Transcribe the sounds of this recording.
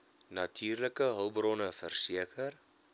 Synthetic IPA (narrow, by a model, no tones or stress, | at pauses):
nɐtʰyːrləkəɦəlˠbrɔnəfərsiəkʰər